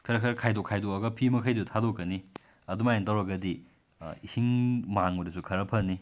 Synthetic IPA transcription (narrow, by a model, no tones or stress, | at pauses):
kʰɐɾɐkʰɐɾɐkʰajdokʰajdoɐɡɐpʰimɐkʰɐjdutʰadokːɐni | ɐdumajentawɾɐɡɐdi | isiŋmaŋmɐdusukʰɐɾɐpʰɐni